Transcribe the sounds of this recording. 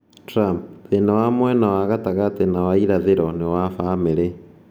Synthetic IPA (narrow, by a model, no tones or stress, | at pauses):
tɾampðenawamwɛnawaɣataɣatenawaiɾaðeɾɔnewafaːmeɾe